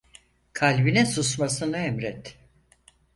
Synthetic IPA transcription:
kʰalʲbinɛsusmasɯnaɛmɾɛt̪

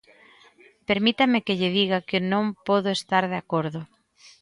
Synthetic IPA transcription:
peɾmit̪amɪkɪʎɪðiɣakɪnõŋpɔðʊest̪aɾðeakoɾðʊ

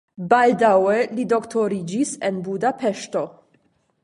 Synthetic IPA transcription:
baldawelidoktʰoɾid͡ʒisenbudapeʃto̞

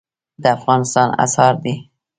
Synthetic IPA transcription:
d̪əafɣɑnɪst̪ɑna̰shɑɾd̪i

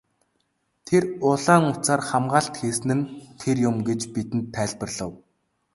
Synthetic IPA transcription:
t̪ʰerʊɮaːŋʊt͡saːrχamɢaːɬt̪xeːsɘ̆nɘ̆nt̪ʰerjʊmɡet͡ɕpit̪ɘ̆nt̪ʰːæːɮpə̆rɮə̆w

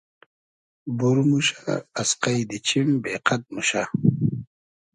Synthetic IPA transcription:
buɾmuɕaasqajd̪it͡ɕʰimbeːqat̪̚muɕa

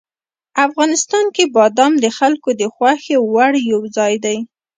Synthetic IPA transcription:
afɣɑnɪst̪ɑnkebɑd̪ɑmd̪əxalkod̪əxwaxewaɽjawzɑjd̪aj

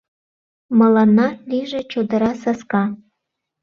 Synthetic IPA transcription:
mɑlɑnːɑliʒet͡ɕod̪ɤ̆ɾɑsɑskɑ

